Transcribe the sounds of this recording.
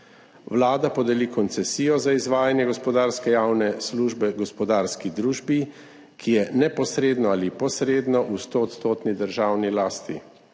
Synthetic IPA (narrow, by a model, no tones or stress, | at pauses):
wlaːd̪apɔd̪ɛlikɔnt̪sɛsiːjɔzaizʋaːjanjɛɡɔspɔd̪aːɾskɛjawnɛsluːʒbɛɡɔspɔd̪aːɾskid̪ɾuːʒbi | kʰijɛnɛpɔsɾeːd̪nɔalipɔsɾeːd̪nɔʔust̪oːt̪st̪oːt̪nid̪əɾʒaːwnilaːst̪ḭ